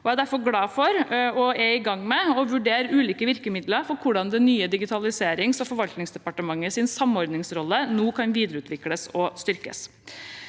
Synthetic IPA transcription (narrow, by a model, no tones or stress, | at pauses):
ɔæd̪æɾfɔɾɡlɑːfɔɾɔɛɪɡɑŋːmɛɔʋʉɖeːɾʉːliːkəʋɪɾkəmɪd̪ləɾfɔɾkʰʊɖɑnd̪ɛnyːəd̪ɪɡɪt̪ʰɑlɪseːɾɪŋsɔfɔɾʋɑlt̪nɪŋsd̪ɛpɑʈəmɑŋːəsɪnsɑmɔɾd̪nɪŋsɾɔlːənoːkʰɑnʋiːd̪əɾəʉːt̪ʋɪkləsɔst̪ʏɾkə̰s